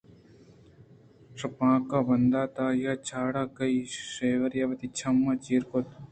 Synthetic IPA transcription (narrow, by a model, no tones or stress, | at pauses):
ʂɐpãːkabɐnd̪aːt̪aːjat͡ʃʰaːɽakɐiʃeːʋɐɾjaʋɐt̪it͡ʃʰɐmːɐt͡ʃiːɾkot̪